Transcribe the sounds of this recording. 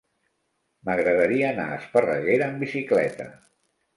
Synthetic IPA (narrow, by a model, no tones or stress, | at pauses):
məɣɾəðəɾiəːna̰ə̰spərəɣeɾəːmbisiklɛt̪ə̰